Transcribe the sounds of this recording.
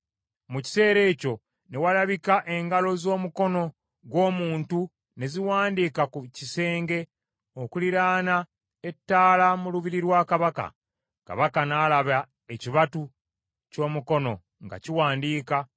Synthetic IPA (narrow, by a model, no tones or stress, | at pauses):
muci̥se̞ːɾe̞ːco̞ | ne̞walaβikaʔe̞ŋɡalo̞zo̞ːmuko̞no̞ | ɡwo̞ːmuːntu | ne̞ziwaːndiːkakucise̞ːŋɡe̞ | o̞kuliɾaːna | e̞tːaːlamuluβiɾiɾwaːkaβaka̰ | ka̰βakanaːlaβa | eciβatu | co̞ːmuko̞no̞ | ŋɡa̰ciwaːndiːka